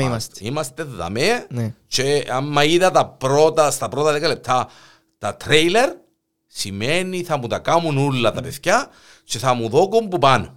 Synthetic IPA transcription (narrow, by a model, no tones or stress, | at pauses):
st̪imɐst̪eððɐ̰met͡ʃeamːɐiðɐt̪ɐpɾot̪ɐst̪ɐpɾot̪ɐðekale̞p̚t̪ʰa | t̪ɐt̪ɾejleɾ | simeniθɐmut̪akamunulːɐt̪ɐpeθça | t͡ʃeθɐmuðokombupan